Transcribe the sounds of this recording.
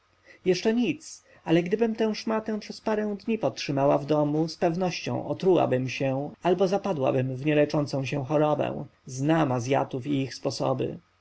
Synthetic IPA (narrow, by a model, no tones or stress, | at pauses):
jɛʂt͡ʂɛɲit̪s | alɛɡd̪ɘbɘmt̪ɛ̃w̃ʂmat̪ɛ̃w̃pʂɛspaɾɛ̃w̃d̪ɲipɔtʂɘmawavd̪ɔmuspɛvnɔɕt͡ɕɔ̰̃w̃ɔt̪ɾuwa̰bɘmɕɛalbɔzapad̪wa̰bɘmvɲɛlɛt͡ʂɔnt̪sɔ̃w̃ɕɛw̃xɔɾɔbɛ̰w̃znamazʲja̰t̪ufiixspɔsɔ̰bɘ̰